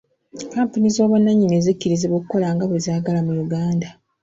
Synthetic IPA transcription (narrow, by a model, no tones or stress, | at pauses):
kaːmpunizo̞ːβwanːaɲːinezicːiɾizeβokukːo̞laːŋɡaβezaːɡalamujuɡaːnda